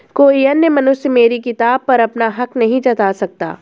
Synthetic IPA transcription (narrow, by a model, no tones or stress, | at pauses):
koːiɐnjəmɐnʊʃəmeːɾikɪt̪aːb̚pɐɾɐpnaɦɐknɐɦĩt͡ʃɐt̪aːsɐk̚t̪a̰ː